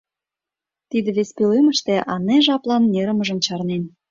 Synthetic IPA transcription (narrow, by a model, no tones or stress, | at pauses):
t̪id̪ĕβespilemə̆ʃt̪ĕʔɑneʒɑplɑnːeɾə̆məʒə̆nt͡ɕɑrnen